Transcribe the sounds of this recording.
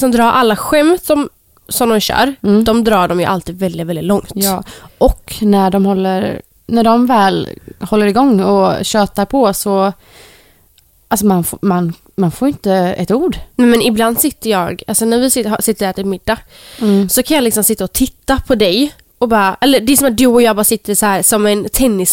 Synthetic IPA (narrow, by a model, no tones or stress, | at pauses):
sɔmd̪ɾɑːɾʔalːaɧɛmt̪sɔm | sɔmd̪ɔmɕœ̰ːɾd̪ɔmd̪ɾɑːɖɔmjɵ̰ʔalt̪iːd̪vɛld̪ɪt̪vɛlɪt̪lɔŋt̪ʔɔknæɖɔmhɔlːəɾ | næɖɔmvɛːlhɔlːəɾɪɡɔŋːɔ̰ɕøːt̪aɾpʰɔsɔ | alsɔmanfman | manfoːɾɪnt̪əɛ̰t̪uːɖnɛmɛnɪbland̪sɪt̪ːəjɑːɡalsɔnæɾvɪsɪɦsɪt̪ːəɖæʈ̪ʰɪlmɪd̪ːa | sɔkʰanjɑːlɪksɔmsɪt̪ːaɔt̪ʰɪt̪ːapʰɔd̪ɛj | ɔbɑːɾaʔɛlːəɖɛɛsɔmat̪̚d̪ɵɔjɑːɡbɑːɾsɪt̪ːəɾsɔhæːɾsɔmɛnt̪ʰɛnːɪs